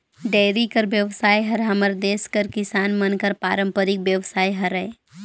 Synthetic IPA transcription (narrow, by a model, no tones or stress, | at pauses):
ɖɛːɾikəɾʋjəʋsaːjɦəɾɦɐməɾd̪eːskəɾkɪsaːnmənkəɾpaːɾə̃mpəɾɪk̚bjəʋsaːiɦəɾɛː